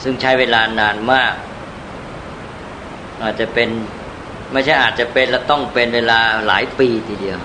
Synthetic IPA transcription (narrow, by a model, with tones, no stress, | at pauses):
sɯ˥˩ŋt͡ɕʰa˦˥˩jweː˧laː˧naː˧nmaː˥˩k̚ | ʔaː˨˩t̪̚t͡ɕa˨˩pe˧n | ma˥˩jt͡ɕʰa˥˩jʔaː˨˩t̪̚t͡ɕa˨˩pe˧nlɛː˦˥˩t̪ɔ˥˩ŋpe˧nweː˧laː˧la̰ː˩˦jpiː˧t̪ʰiː˧di˧əw